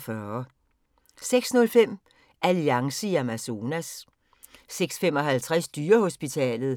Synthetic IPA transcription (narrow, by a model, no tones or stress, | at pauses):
fɶːɐ | seɡ̥snɔ̽lfem̰ | ʔæliɑ̈ŋsəæmæso̝næsː | eɡ̥sfem̰ɒ̽ɦælt͡sʰʁasd̥yːɐho̝sb̥it͡sʰɛ̰ːlð̞̩ˠ